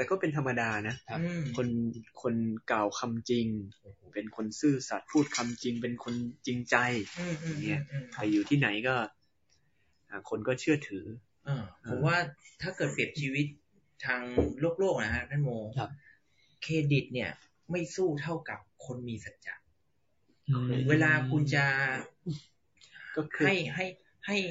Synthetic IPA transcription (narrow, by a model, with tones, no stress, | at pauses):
t̪ɛː˨˩kɔː˥˩pe˧nt̪ʰa˧mːa˧daː˧na˦˥ɯ˧kʰo˧nkʰo˧nkaː˨˩wkʰa˧mt͡ɕi˧ŋpe˧nkʰo˧nsɯː˥˩sa˨˩t̪̚pʰuː˥˩t̪̚kʰa˧mt͡ɕi˧ŋp̬e˧nkʰo˧nt͡ɕi˧ŋt͡ɕa˧jɯː˧˩ʔɯː˧ŋːi˦˥˩ɐ˧ta˨˧˩juː˨˩t̪ʰiː˥˩na˩˦jkɔː˥˩ | a˨˩kʰo˧nkɔː˥˩t͡ɕʰɯ˥˩ɐt̪ʰɯː˩˦ | ʔɤː˧˩ʔʰo˨˦mwaː˥˩t̪ʰaː˥˩kɤː˨˩t̪̚pi˨˩əp̚t͡ɕʰiː˧wi˦˥t̪̚ʰː | aː˧ŋloː˥˩k̚loː˥˩k̚na˦˥kʰa˦˥nʰaː˥˩nmoː˧˦ | kʰeː˧di˨˩t̪̚ni˥˩ɐ | ma˥˩jsuː˥˩t̪ʰa˥˩wka˨˩p̚kʰo˧nmiː˧sa˨˩t̪̚t͡ɕa̰˨˩ʔ̚ʰ | weː˧laː˧kʰu˧nt͡ɕa˨˩˧ | kɔː˥˩kʰɯ˧a˥˩jɦa˥˩j | ha˥˩j